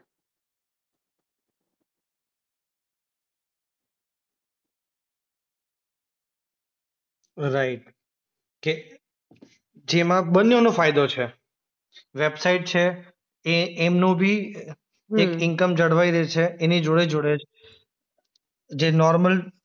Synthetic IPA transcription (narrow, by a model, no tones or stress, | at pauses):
ɾaɪʈ̚ | ke | d͡ʒemãɓənːjonõfajd̪ot͡ʃʰe | ʋebsaiʈ̚t͡ʃʰe | eːmnõbʱi | ekɪŋkəmd͡ʒəɽʋaiɾet͡ʃʰeːnid͡ʒoɽed͡ʒoɽet͡ʃʰ | d͡ʒenɔɾməl